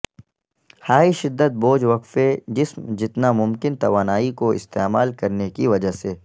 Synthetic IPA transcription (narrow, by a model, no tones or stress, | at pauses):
haːiʃɪd̪ːət̪̚boːd͡ʒʋɐqfed͡ʒɪsmd͡ʒɪt̪namʊmkɪnt̪ɐʋaːnaːikoɪ̰st̪eːmaːlkɐɾnekiʋɐd͡ʒaɦseː